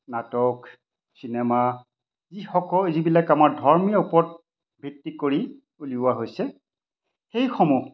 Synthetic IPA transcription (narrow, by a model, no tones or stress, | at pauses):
natɔk | sinɛma | zixɔkɔzibilakamaɹdʱɔɹmijɔupɔt̚ | bʱitːikoɹi | uliʊaɦojsɛ | xejxʰɔmu